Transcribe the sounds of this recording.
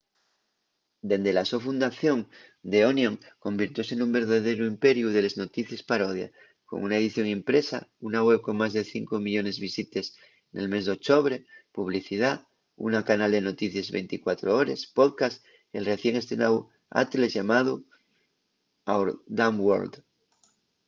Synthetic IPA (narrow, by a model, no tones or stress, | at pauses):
d̪end̪elasofund̪aθjo̞ŋd̪eonjõŋko̞mbiɾt̪jo̞senumbe̞ɾðaðeɾuimpe̞ɾjuð̞ele̞zno̞t̪iθje̞spaɾoð̞ja̰ | ko̰ŋunaeðiθjo̞ŋimpɾesa̰unaɣweβko̞ŋmazðeθiŋkomiʎo̞ne̞zβisit̪es | nelme̞zðeok̚t͡ʃ̪oβ̞ɾepuβ̞liθið̞a | ṵnakanald̪e̞no̞t̪iθjezβḛnt̪ikwat̪ɾooɾespoðkas | elreθje̞ŋest̪ɾenaw | a̰t̪elezʝamaðu | awɾd̪amwo̰ɾld̪